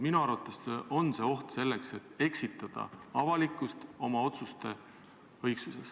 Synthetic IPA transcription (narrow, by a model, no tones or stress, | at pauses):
minuɑɾvɑt̪ːˑeseʔo̞nse̞ːo̞ht̪se̞lːekse̞t̪ːe̞ksit̪ːˑɑd̪̥ɑ̰ɑvɑlikːˑust̪o̞mɑo̞t̪sust̪e̞ | ɤ̞jksuse̞s